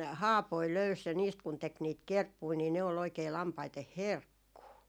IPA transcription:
hɑːpoi løys jɑ niːst kun tek niːt kerpːui niː ne ol oikei lɑmpɑiteh herkːuː

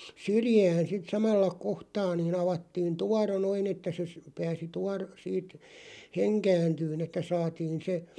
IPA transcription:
syrjæːn̞ sit sɑmɑlːɑ kohtɑː niːn ɑʋɑtːiːn tuɑro noin etːæ se sə pæːsi tuɑr siːt heŋkæːntyːn etːæ sɑːtiːn se

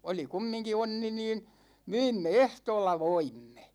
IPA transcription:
oli kumːiŋki onːi niːn myimːe ehtoːlːɑ ʋoimːe

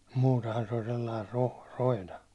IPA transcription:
muːtehɑn se olʲ selːɑir roh roinɑ

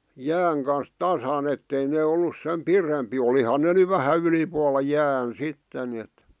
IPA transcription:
jæːŋ kɑns tɑsɑn etːei neː olːus sem pirempiː olihɑn ne ny ʋæhæ ylipuɑlːɑ jæːn sitːen niet

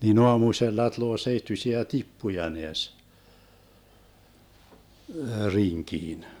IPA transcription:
nin oɑmuselːɑ tŭloː seitːysiæ tipːujɑ neæs riŋkiːn

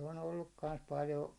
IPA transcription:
on olːuk kɑns pɑljo

